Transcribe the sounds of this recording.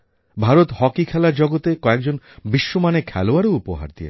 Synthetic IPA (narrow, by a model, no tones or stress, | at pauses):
bʱaɾot̪hɔkikʰɛlaɾd͡ʑɔɡot̪ekɔek̚d͡ʑon | biʃːomanekʰɛloaɾeupoɦa̰ɾd̪ḭḛ